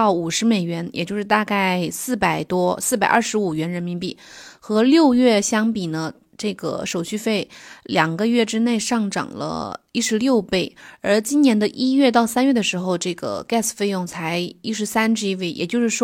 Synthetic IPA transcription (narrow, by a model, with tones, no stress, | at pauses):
ɑ˥˩ʊu˨˩ʂɻ̩˧˥me˨˩ɪɥɛ˧˥njʔɛ˨˩t͡ɕjo˥˧ʊʂɻ̩˥˧t̪a˥˧ka˥˩ɪsɹ̩˥˩pa˨˩ɪt̪wɔ˥sɹ̩˥˩pa˨˩ɪʔə˞˥˧˩ʂɻ̩˧˥u˨˩ɥɛ˧˥nɻə˧˥nmi˧˥npi˥˩xɤ˧˥ljo˥˧ʊɥɛ˥˩ɕjɑ˥ŋpi˨˩nə˦ | ʈ͡ʂɤ˥˩ɡə̰˩ʂo˨˩ʊɕy˥˧fe˥˩ɪljɑ˨˩ŋɡə˦ɥɛ˥˩ʈ͡ʂɻ̩˥ne˥˧ɪʂɑ˥˩ŋʈ͡ʂɑ̰˨˩ŋlə̰˦i˥ʂɻ̩˧˥ljo˥˧ʊpe˥˩ɪə˞˧˥t͡ɕi˥njɛ˧˥nd̪ə˧ʔi˥ɥɛ˥˧t̪ɑ˥˩ʊsa˥nɥɛ˥˩d̪ə˩ʂɻ̩˧˥xo˧ʊʈ͡ʂɤ˥˩ɡə̰˩ka˥˩sfe˥˧ɪjʊ˥˩ŋt͡sʰa˧˥ɪi˥ʂɻ̩˧˥sa˥nʈ͡ʂɻ̩˥i˥we˥˩ɪjʔɛ̰˨˩t͡ɕjo˥˧ʊʂɻ̩˥˩ʂw